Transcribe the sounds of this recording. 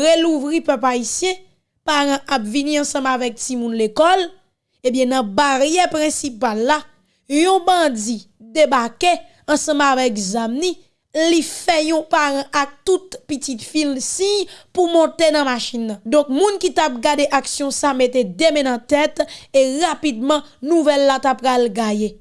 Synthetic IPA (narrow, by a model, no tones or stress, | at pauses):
ʁeluvʁipœpaisjɛ̃ | paʁãʔapvinĩɑ̃sʌ̃mavɛk̚timũnlekɔl | ebjɛ̃nɐ̃baʁjɛpʁɛ̃sipalːa | jɔ̃bʌ̃d͡zi | d̪ebake | ɐ̃sʌ̃mavɛkzamnĩ | lifɛjɔ̃paʁãʔak̚t̪ut̪pitit̪filmsĩjpumɔ̃t̪enɐ̃maʃĩnːɐ̃d̪ɔ̃k̚mũnkit̪ap̚ɡadeʔaksjɔ̃sameted̪emɛ̃nɐ̃t̪ɛt̪eʁapid̪̚mʌ̃nuvɛlːat̪apɣalɡaje